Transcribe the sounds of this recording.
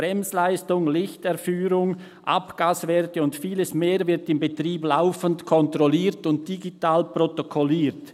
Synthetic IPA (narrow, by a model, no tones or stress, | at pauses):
b̥ʁɛmslaɪstʊŋlɪçtɛɾfyːɾʊŋ | ʔa̰pɡ̥aːsvɛːʁtəʊntfiːləsmeːɾvɪɾtɪmbetriːblaʊfəntkʰɔntʁɔliːʁtʊnt̚d̥iɡitaːlprotokʰɔliːɾt